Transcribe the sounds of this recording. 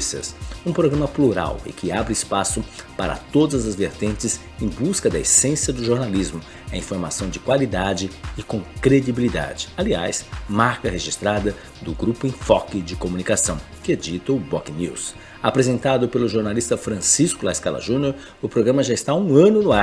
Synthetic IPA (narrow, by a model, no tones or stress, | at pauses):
sɐ̰sũpɾoɡɾɐ̃mɐpluɾa̰wɪ̰kʰɪabɾɪɪspasʊpaɾɐ̰t̪od̪ɐzɐzveɾt̪ẽnt͡ʃɪz | ẽj̃buskɐd̪ɐesẽsiɐd̪ʊʒoɾnalizmʊ | ɐĩfoɾma̰sɐ̃w̃d͡ʒɪkwalid̪ad͡ʒɪɪkõkɾed͡ʒibilid̪a̰d͡ʒɪ̥alia̰jsmaɾkɐheʒist̪ɾad̪ɐ | d̪ʊɡɾupʊẽfɔkɪd͡ʒɪkomunikasɐ̃w̃ | kɪɛd͡ʒit̪ɐʊbɔkɪnḭws | apɾezẽnt̪ad̪ʊpelʊʒoɾnalist̪ɐfɾɐ̃siskʊlajskalɐ̰ʒũnoɾ | ʊpɾoɡɾɐ̃mɐʒaɪst̪aũɐ̃nʊnʊa